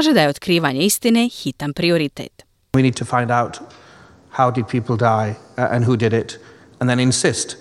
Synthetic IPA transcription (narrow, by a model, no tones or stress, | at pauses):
ʒed̪ajeo̞t̪kɾiːʋaɲeist̪ine̞xit̪anpɾio̞ɾit̪ḛt̪ | winiːd̚tʰəfãɪ̃ndaʊt | haʊdɨd̚pʰipl̩ˠdaɪə̰̃nɦudɪɾɪt | ə̃nðɨ̃nɪ̃nsɪst